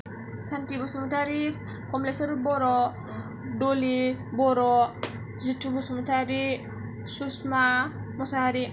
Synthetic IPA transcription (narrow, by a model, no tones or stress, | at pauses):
santibɔsumutaɾi | kɔmlesoɾubɔɾɔ | dolibɔɾɔ | zitːubosumutaɾi | susmamɔsaɾi